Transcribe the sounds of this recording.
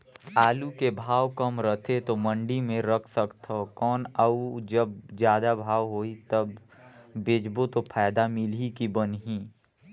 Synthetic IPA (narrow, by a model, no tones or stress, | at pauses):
aːlukebʱaːwkəmɾət̪ʰet̪omə̃ɳɖimẽɾəkʰsəkt̪ʰokɔːnaud͡ʒəbd͡ʒjaːd̪abʱaːʋɦoːit̪əbː | ed͡ʒbot̪opʰaːjd̪amɪlikibənɦĩː